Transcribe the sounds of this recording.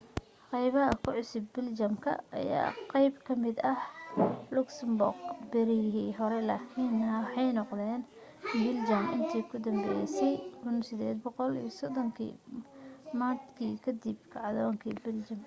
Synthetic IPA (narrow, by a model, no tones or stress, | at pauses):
qɑjβɐɦɐkʰʊʕʊsʊbːɪlt͡ʃɐmkʰɐ̰ɐ̰ja̰ːqɑjbkʰɐmɪd̪ɐhlʊksɐmbʊ̰rɡbɪɾɪɦiːɦɔɾɛlɐkʰiːnːɐwħɑjnɔqd̪ɛːn | bɪld͡ʒɐmɪnt̪ʰiːkʰʊd̪ɐmbɛːjsɛjkʰʊnsɪd̪ɛːd̪̚bɔqɔlḭjsɔd̪ɔŋkʰḭː | maːt̪kʰiːkʰɐd̪ib̚kʰɑʕðɔːŋkʰḭːbɪld͡ʒɐm